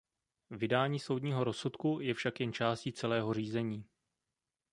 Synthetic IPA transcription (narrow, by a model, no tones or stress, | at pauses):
vɪdaːɲiːso̞wdɲiːɦo̞ɾo̞sut̪kujɛfʃakjɛnt͡ʃaːsciːt͡sɛlɛːɦo̞r̝iːzɛɲiː